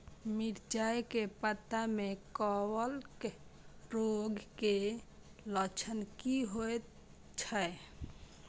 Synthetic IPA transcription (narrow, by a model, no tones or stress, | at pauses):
miɾd͡ʒajkepət̪ːamekɔwəlk | ɾoɡke | lət͡ʃʰənkiɦoet̪ | t͡ʃʰə